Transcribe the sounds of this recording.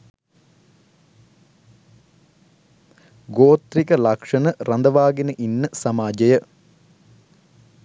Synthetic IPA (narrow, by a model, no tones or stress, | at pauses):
ɡoːt̪rikəlɐkʂɐnərɐnd̪ɐʋaːɡinəʔinːəsɐmaːd͡ʒɐjə